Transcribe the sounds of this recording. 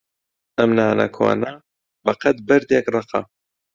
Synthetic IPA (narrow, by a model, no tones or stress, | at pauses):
ʔɐmnaːnɐ̰kʰo̰ːnɐ | bɐqɐt̪̚bɐɾd̪eːkrˤɨqʰɑ̰